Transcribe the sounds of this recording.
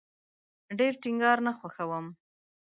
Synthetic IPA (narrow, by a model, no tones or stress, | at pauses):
ɖeɾʈɪŋɡɑɾnaxwaxawəm